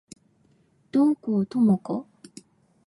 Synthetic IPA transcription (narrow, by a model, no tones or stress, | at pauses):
d̪̥oŋkot̪omoko